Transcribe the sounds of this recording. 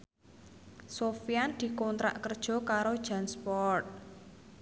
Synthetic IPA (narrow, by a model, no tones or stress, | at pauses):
sofijand̪̥i̤kɔnt̪ɾa̰ʔkərd̥ʒ̥ɔ̤kaɾod̥ʒ̥a̤nspɔrt̪̚